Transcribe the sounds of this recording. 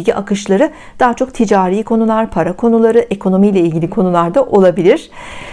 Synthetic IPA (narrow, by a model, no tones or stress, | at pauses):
ɟʲiʔakɯʃlˠaɾɯ | d̪̥aɦt͡ʃʰo̞k̚t̪ʰid͡ʒaːɾijːkʰo̞nulˠaɾpʰaɾakʰo̞nulˠaɾɯʔe̞kʰo̞no̞mijlʲɛilʲɟʲilʲikʰo̞nulˠaɾd̪aʔo̞lˠabilʲiɾ̥